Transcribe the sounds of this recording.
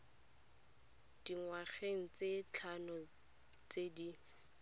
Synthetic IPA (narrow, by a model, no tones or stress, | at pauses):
d̥iŋwaχeŋ̩t͡set͡ɬʰanɔ | t͡sedi